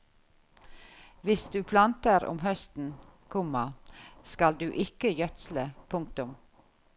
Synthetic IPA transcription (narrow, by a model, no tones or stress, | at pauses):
ʋɪsd̪ʉːpʰlɑnt̪əɾʊ̰mhœst̪n̩kʰʊmɑskɑld̪ʉːʔɪkəjœt̪sləpʰʊŋk̚t̪ʊm